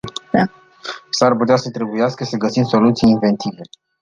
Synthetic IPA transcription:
sarput̪easət̪ɾe̞bujaskəsəɡəsimso̞lut̪sijinve̞nt̪ive̞

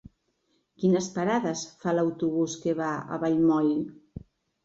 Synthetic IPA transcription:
kinəspaɾaðəsfalawt̪uβuskeβaə̰βaʎmɔj

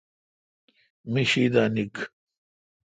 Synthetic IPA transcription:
miɕiːd̪aːnik

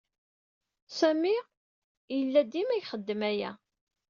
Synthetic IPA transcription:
sæmi | jəlːæd̪imæjχəd̪ːəmæjæ̰

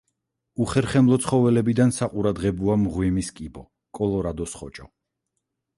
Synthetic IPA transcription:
uχɛɾχɛmlˠɔt̪sʰχɔvɛlɛbid̪ansaqʼuɾad̪ʁɛbɔamʁwimiskʼibɔ | kʼɔlˠɔɾad̪ɔsχɔt͡ʃʼɔ

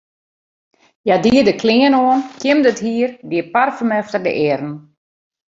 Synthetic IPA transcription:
jadiədəkʰlɪənoənkʰjɪmdəthiərbiəparfəmɛftərdə̰ʔɪrn̩

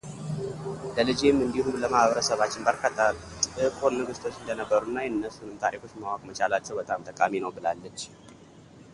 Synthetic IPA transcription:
ləlɨd͡ʒemːɨnd̪iɦuləmahβəɾəsəβat͡ʃːɪnbəɾkʰat̪ʼːalɨkʼo̞nːəɡɨst̪ʰo̞t͡ʃːɨnd̪ənəbːəɾunːajɨnːəsunɨmt̪ʰaɾikʰo̞t͡ʃːmawakʼmət͡ʃalat͡ʃːɛwbət̪ʼamt̪ʰʼəkʼaminəwbɨlalːət͡ʃː

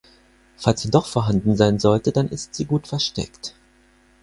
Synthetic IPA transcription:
falsz̥iːdɔχfoːɐɦandn̩zaɪnzɔltədanʔɪ̰stz̥iːɡuːtfɛɐʃtɛ̰kt

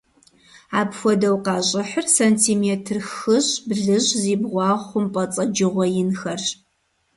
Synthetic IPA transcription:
aːpxʷɔdɐwqɑːɕʼɐħərsɐntʰiːmeːtʰɨrxɨɕbɮɨʑziːbʁʷɑːʁʷʊmpʼɐt͡sʼɐd͡ʒɪʁʷɔjɪnxɐr

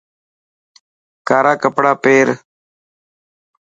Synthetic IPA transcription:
kaːɾaːkəpɽaːpeːɾ

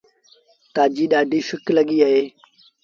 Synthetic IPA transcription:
t̪aːd͡ʒiːɗaːɖiːʃʊkləɠiːaːɦeː

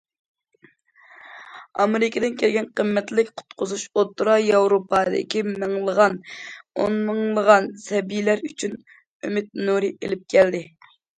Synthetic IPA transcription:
ɑmeɾɪkʲed̪ɪnkʲʰelɡʲɛnqʰəmːɛt̪lɪkʲqʰʊ̥t̪qʰʊzuʃot̪ːɾɑjɑwɾopʰɑd̪ɪ̰kʲimɨŋlˠəʁɑno̰nmɨŋlˠəʁɑnsɛbijlæɾyt͡ʃʰyn | ømɪt̪̚nuɾɨʔelɪp̚kʲʰɛld̪ɪ

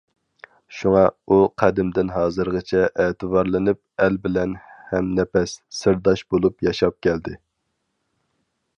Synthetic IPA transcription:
ʃuŋɑuqʰæd̪ɪmd̪ɪnɦɑːzɨɾʁɨt͡ʃʰɛʔeːt̪ʰɨbɑɾlˠɨnɨp̚ɛlbɪlɛnhɛmnɛpʰɛsːɪɾd̪ɑʃbolˠupjɑʃɑp̚kʲʰɛld̪ɪ

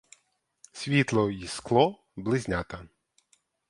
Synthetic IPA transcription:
sʲʋʲit̪lˠɔjisklˠɔ | blˠɪzʲnʲat̪ɐ

